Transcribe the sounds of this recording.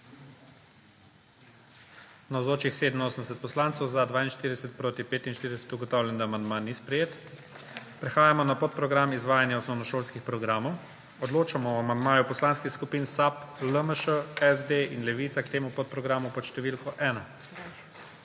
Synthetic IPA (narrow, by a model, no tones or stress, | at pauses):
nawzoːt͡ʃixseːd̪əmnoːsənd̪ɛsɛt̪̚pɔslaːnt̪sɔwzad̪ʋaːinʃt̪iɾid̪ɛsɛt̪̚pɾoːt̪ipeːt̪inʃt̪iɾid̪ɛsɛ̥t̪uɡɔt̪ɔːwlʲɛnd̪aːmand̪manispɾɛjeːt̪ | pɾɛxaːjamɔnapot̪̚pɾɔɡɾamizʋaːjanjaɔsnɔwnɔʃoːlskixpɾɔɡɾaːmɔw | ɔd̪loːt͡ʃamɔamand̪maːjupɔslaːnskixskupiːnsapləməʃəɛzd̪einlɛʋiːt̪sakt̪eːmupot̪̚pɾɔɡɾaːmupɔʃt̪ɛʋiːlkɔʔɛːna